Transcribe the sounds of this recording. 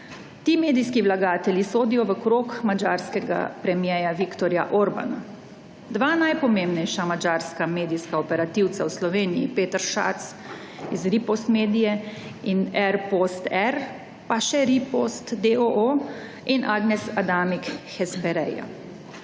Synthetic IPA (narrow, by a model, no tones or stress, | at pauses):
t̪iːmeːd̪ijskiʋlaɡaːt̪ɛlʲjisoːd̪ijɔʋəkɾoːkmad͡ʒaːɾskɛɡa̰pɾɛmjɛːjaʋikt̪ɔɾja̰ʔoɾba̰na̰ | d̪ʋaːnajpɔmembnɛjʃamad͡ʒaːɾskameːd̪ijskaɔpɛɾat̪iw̪sawslɔʋeːnijḭpeːt̪əɾʃa̰t̪s | izɾipost̪meːd̪ijɛinɛɾpost̪ɛɾ | paʃɛɾipost̪d̪eoʔo | inʔaːɡnɛsad̪aːmikxɛspɛɾɛja̰